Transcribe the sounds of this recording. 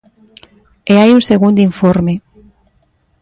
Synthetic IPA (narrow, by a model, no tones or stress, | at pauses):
eajunseɣund̪iɱfoɾme